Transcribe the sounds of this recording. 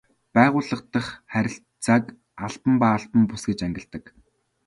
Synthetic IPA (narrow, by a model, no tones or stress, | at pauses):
pæːʁʊːɮə̆qt̪ə̆χχæɾʲɪ̆ɬ | t͡sak | aɮpə̆mpaːɮpə̆mpʊsɡet͡ɕæŋɡʲɪ̆ɬt̪ə̆k